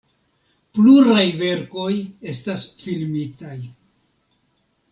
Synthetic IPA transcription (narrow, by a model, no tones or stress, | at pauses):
pluɾajve̞ɾko̞je̞stasfilmitaj